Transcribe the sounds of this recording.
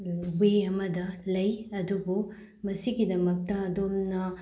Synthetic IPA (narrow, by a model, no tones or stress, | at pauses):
beɐmɐdɐlɐjɐdubu | mɐsiɡidɐmɐk̚tɐːdomnɐ